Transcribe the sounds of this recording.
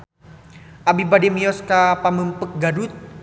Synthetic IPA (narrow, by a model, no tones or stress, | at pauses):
ʔabibadimijɔskapaməmpək̚ɡadut̪̚